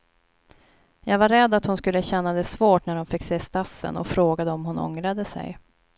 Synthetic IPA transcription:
jɑːɡvaɾɛd̪ːat̪hʊnskɵlːəɕɛnːad̪ɛsvoːʈnæɖɔmfɪkːseːst̪asːə̰nɔ̰fɾoːɡad̪əɔmɦʊnɔ̰ŋɾad̪əsɛ̰j

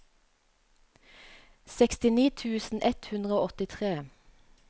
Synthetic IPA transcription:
sɛkst̪ɪniːt̪ʰʉːsn̩ʔɛt̪hʉnd̪ʁəoːɔt̪ɪt̪ʰʁeː

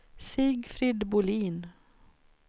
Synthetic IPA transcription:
siːɡfɾid̪bʊliːn

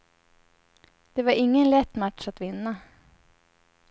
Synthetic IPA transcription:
d̪̥ɛvaɾɪŋːənlɛt̪ːmat̪ʂat̪vɪnːa

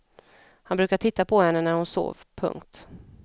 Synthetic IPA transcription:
hanbɾʉ̟ːkaʈʰɪt̪ːapʰɔhɛnːənæɾhʊnso̰ːvpʰɵ̰ŋkt̪

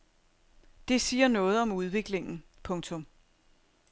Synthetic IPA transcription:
d̥e̝siːɐnɔ̽ːð̞̩ˠɒ̽muð̞ˠʋe̝ɡ̥le̝ŋn̩pʰɔ̽ŋt͡sʰɔ̽m

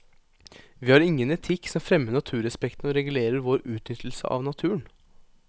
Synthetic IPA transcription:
ʋiːhɑɾɪŋːənɛt̪ʰɪkːsɔmfɾɛmːəɳɑt̪ʰʉːɾɛspɛkt̪n̩ɔɾɛɡʉleːɾəɾʋoːɾʉːt̪nʏt̪ʰl̩sə̰ʔɑ̰ʋnɑt̪ʰʉːən

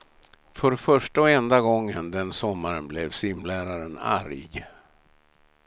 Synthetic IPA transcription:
fœɾfœʂʈaɔɛnd̪aɡɔŋːənd̪ɛnsɔmːaɾənblɛvsɪmlæːɾaɾəna̰ɾjɡ

